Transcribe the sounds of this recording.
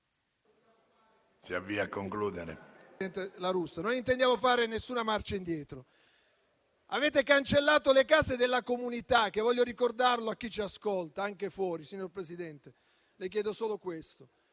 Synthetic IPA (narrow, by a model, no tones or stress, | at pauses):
siavːiakːoŋkluːd̪eɾḛɛnt̪elaɾusːanonint̪end̪jaːmofaːɾenesːuːnamart͡ʃaind̪jɛːt̪ɾo | aveːt̪ekant͡ʃelːaːt̪olekaːzed̪elːakomunit̪ak̟ːevːɔʎːjoɾikord̪arloakːit͡ʃiaskolt̪aaŋkefwɔːɾisiɲːorpɾesid̪ɛnt̪e | lek̬jɛːd̪osoːlokwest̪o